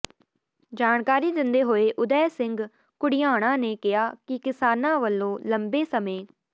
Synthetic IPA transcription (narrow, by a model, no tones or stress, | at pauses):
d͡ʒaːɳkaːɾiːd̪ɪnd̪eːɦoːeːʔʊd̪ɛːsɪŋɡ | kʊɽɪjaːɽ̃ãːneːkɪɦaːkɪkɪsaːnãːʋəlːõːləmbeːsəmẽː